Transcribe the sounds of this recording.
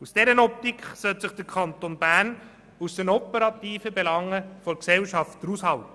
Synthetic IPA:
usd̥ɛɾənɔp̚tikχsœltsɪχd̥əkʰχɑnt̪onbæːn | usd̥ɛnɔpəɾɑt̪iːfəbelɑŋːəfɔksɛlʃɑftdəɾushɑlt

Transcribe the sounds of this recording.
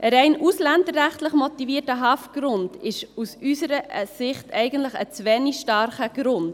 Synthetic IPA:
ʔəɾɛɪnʔuslændərːæχtləχmɔtiviːərtəɦɑːfɡ̥ɾʊndɪʃusysəɾəsɪχtɛɪɡən̩tləχə̰t͡sʋɛniʃtɑɾχəɡ̥ɾʊnd̥

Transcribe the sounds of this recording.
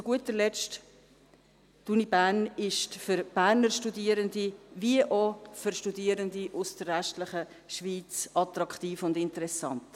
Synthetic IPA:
t͡sʊɡ̥uətəɾlɛst | tunibæːɾnɪʃtfʏɾb̥æːɾnəɾʃtudiːəɾənd̪iviəʔofʏɾʃtudiːəɾənd̪iʔʊsd̥əɾːɛʃtlɪχə | ʃʋiːt͡sɑt̪ɾɑkχt̪iːfʊndɪntəɾɛsɑnt̪

